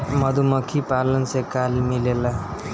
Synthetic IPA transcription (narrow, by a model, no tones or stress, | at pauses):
mʌd̪ʱumʌkʰipalʌnsekalmilela